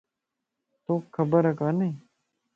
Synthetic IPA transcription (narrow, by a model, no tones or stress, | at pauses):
t̪oːkʰːəbəɾəkaːneiː